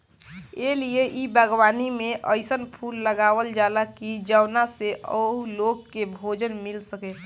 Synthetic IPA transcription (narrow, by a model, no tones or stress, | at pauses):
elieʔibəɡwaːnimẽʔəɪsənpʰuːlːəɡaːwəld͡ʒalakid͡ʒəwnaseʔə̰loːɡ̚kːebʱoːd͡ʒənmilsəke